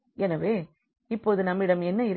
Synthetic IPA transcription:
ɛnɐʋeː | ɪpːoːðɯnɐmːɪɽɐmɛnːɐɪɾ

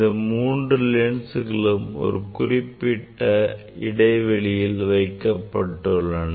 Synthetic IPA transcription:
d̪ɐmuːndrɯleːɳsɯɣɐɭɯmɔ̰ɾɯkʊrɪpːɪʈːɐ | ɪɽɐɪʋɛɭɪjɪlʋɐɪkːɐpːɐʈːɯɭːɐn

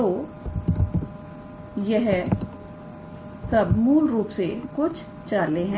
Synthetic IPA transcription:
t̪oː | jɛɦ | sɐbmuːlɾuːpsekʊt͡ʃʰ | t͡ʃaːleɦɛ̃

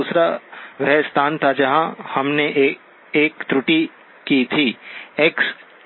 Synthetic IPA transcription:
uːsɾaʋɛɦst̪ʰaːnt̪ʰad͡ʒɐɦãhɐmneʔ | eːkt̪ɾʊʈi | kit̪ʰiːeks

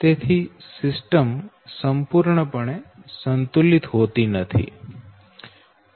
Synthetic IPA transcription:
t̪et̪ʰisɪsʈəm | səmpuɾɳəpəɳ̃esənt̪ulit̪ɦot̪inət̪ʰḭ

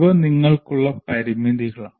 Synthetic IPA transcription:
ʋɐniŋːɐɭkuɭːɐpɐɾimid̪iɣɐɭaː

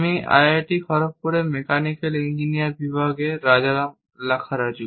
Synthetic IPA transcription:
mia̰jaʈikʰɔɾok̚poɾemekanikelind͡ʑinijaɾbibʱaɡeɾad͡ʑaɾam | lakʰaɾad͡ʑu

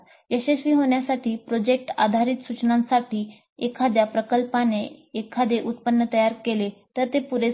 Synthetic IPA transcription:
jəɕesʋiːɦoɳ̃jasaʈiːpɾod͡ʑek̚ʈa̰d̪ʱaɾiːt̪sut͡ɕnãnsaʈiː | ekʰad̪japɾəkəlpaneːkʰːad̪eʔut̪̚pənːət̪əjaɾkelet̪əɾt̪epuɾe

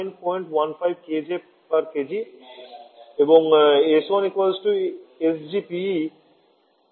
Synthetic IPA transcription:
jnpɔjɳʈwanfajb̚ked͡ʒe | paɾked͡ʑi | ebɔŋesɔ̃nikwasʈuesd͡ʒipi

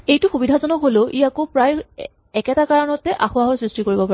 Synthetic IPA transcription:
ejtʊxubidʱazɔnɔkɦoloʔijakopɹaj | ɛkɛtakaɹɔnɔtɛʔaxʊaɦɔɹsɹistikoɹibɔpa

